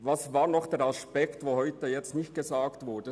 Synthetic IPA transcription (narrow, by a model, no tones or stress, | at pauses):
vasvaːɾnɔχd̥ɛːɾaspɛktvoːhɔʏtəjɛt͡stnɪçt̚ɡ̥ezaːktvʊɾd̥ə